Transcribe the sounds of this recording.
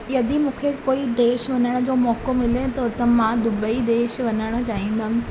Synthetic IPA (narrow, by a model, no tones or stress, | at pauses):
jɐd̪imũːkʰekoːid̪eːʃʋɐnəɽ̃əd͡ʑoːmɔːkomɪlet̪ɐʊt̪əmãd̪ʊbəid̪eːʃʋɐnəɽ̃ə̆t͡ɕaːɦĩːn̆d̪əm̃